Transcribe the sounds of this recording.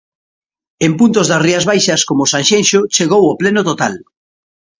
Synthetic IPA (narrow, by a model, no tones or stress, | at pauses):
empunt̪ozðɐsriɐzβajʃɐskomosanʃenʃot͡ʃeɣowoplenʊt̪ot̪al